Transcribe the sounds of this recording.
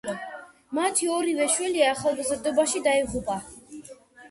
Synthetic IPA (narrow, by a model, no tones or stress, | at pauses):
mat̪ʰiɔɾivɛʃwɛliaːχalˠɡazɾd̪ɔbaʃid̪aiʁupʼa